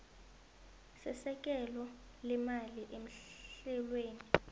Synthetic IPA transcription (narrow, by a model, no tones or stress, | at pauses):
sɛsɛk̬ʼɛlɔ | lɛmaliʔem̩ɬɛlweːni